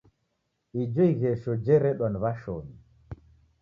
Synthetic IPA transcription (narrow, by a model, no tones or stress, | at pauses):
id͡ʒɔiɣɛʃɔd͡ʒɛɾɛɗɔnβaʃoɲi